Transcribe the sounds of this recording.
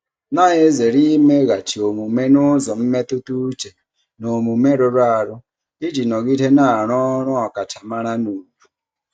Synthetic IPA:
na˦ɦe˦ze˨ɾi˦me˦ɣa˨t͡ʃi˨o˨mu˨me˦nʊ˦zɔ˨m̩˦me˦tu˦tu˦t͡ʃe˨ | no˨mu˨me˦ɾo˦ɾa˦a˨ɾʊ˦ | i˦d͡ʒi˨nɔ˨ɣi˦te˦na˨ɾɔ˦ɾʊ˦ɔ˨ka˨ta˨ma˦ɾa˦nu˨ɾu˨

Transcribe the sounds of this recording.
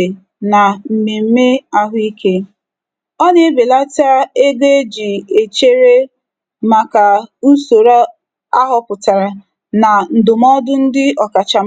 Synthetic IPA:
na˨m̩˨me˨m̩˦me˦a˦ɦʊ˦i˦kʰe˦ | ɔ˦ɲe˦be˨la˦ta˦e˦ɡe˦d͡ʒi˨e˨t͡ʃe˦ɾe˦ | ma˨ka˨n̩˦so˨ɾa˦ | a˦ɦʊ˨pʊ˨ta˨ɾa˨ | na˨n̩˨dʊ˨m˦ɔ˦dʊ˦n̩˦dɪ˦ɔ˨ka˨t͡ʃa˨m

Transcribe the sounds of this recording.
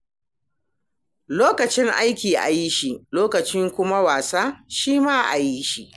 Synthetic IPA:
loː˦kɐ˨t͡ʃɪ˦ŋʔa˦jkʲiː˨ʔa̰˨ji˦ʃi˨loː˦kɐ˨t͡ʃɪ˦ŋkʷʊ˦ma˦waː˨saː˦ʃiː˦maː˦ʔa˨ji˦ʃi˦ʔ

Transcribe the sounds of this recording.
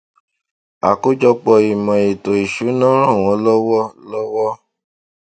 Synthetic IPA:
a̰˨ko˦d͡ʒɔ˧k͡pɔ˧i˨mã˨i˨to˨i˨ʃu˨˦nã˦ɾ̃ã˦˨w̃ɔ̃˨˦lɔ˦wɔ˦lɔ˦wɔ˦

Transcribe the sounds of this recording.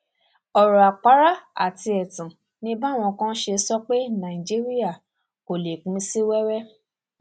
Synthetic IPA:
ɔ˨ɾɔ˨a˨k͡pa˨˦ɾa˦a̰˨ti˧ɛ˨tũ˨ | nĩ˧˦ba˦˨w̃ɔ̃˧kã˦ʃe˧sɔ˦k͡pe˦nã˨ĩ˨d͡ʒi˦ɾi˦a˦˨ | ko˨le˨kũ˨˦si˦wɛ˦wɛ˦

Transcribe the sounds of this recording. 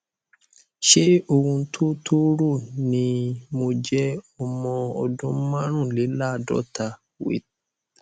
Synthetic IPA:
ʃe˦o˧wũ˧˦tʰo˦tʰo˦ɾu˦˨nĩ˧mo˧d͡ʒɛ˦ɔ˧mɔ̃˧ɔ˧dũ˦mã˦ɾ̃ũ˦˨lɛ˨˦la˦˨dɔ̰˦˨ta˨ | wḛ˨

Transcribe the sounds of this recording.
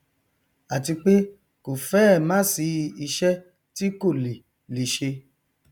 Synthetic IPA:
a˨ti˧k͡pe˦ | ko˨fɛː˦˨mã˦si˧i˧ʃɛ˦ | ti˦ko˦˨le˨ | li˨ʃe˧

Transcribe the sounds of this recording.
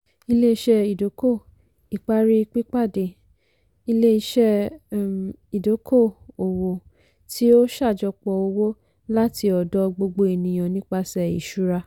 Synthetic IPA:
i˧le˦i˧ʃɛ˧i˨do˨˦ko˦˨ | i˨k͡pa˦ɾi˦i˧k͡pi˦k͡pa˦˨de˨ | i˧le˦i˧ʃɛ˧ | i˨do˨˦kʰo˦˨o˨wo˨ | tʰi˦o˦ʃa˦˨d͡ʒɔ˧k͡pɔ˧o˧wo˦ | la˦tʰi˧ɔ˨dɔ˧˦ɡ͡bo˧ɡ͡bo˧i˨nĩ˨j̃ɔ̃˨nĩ˦k͡pa˧sɛ˨ḭ˨ʃu˦ɾa˧

